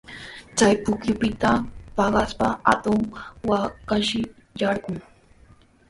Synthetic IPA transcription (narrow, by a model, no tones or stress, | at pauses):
t͡sajpʊkjʊpɪt̪apɑɢaspaa̰t̪ʊŋwakaʃɪ | jɑɾɢʊŋ